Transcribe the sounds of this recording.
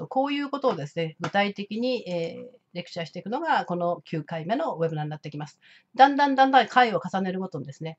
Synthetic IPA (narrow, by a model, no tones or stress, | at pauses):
oko̞ːjɯ̟ːko̞t̪o̞ːd̪e̞sɨne̞ɡɯ̟t̪ait̪e̞kʲiɲ̟ieː | ɾe̞kɯ̟̥ɕaɕi̥t̪e̞ikɯ̟no̞ɡako̞no̞kʲɨːkaime̞no̞βe̞bɯ̟naɲʲinat̪ːekʲimasɨ̥ | d̪ãnd̪ãnd̪ãnd̪ãkʰaio̞kasane̞ɾɯ̟ko̞t̪o̞ɲd̪e̞sɨne̞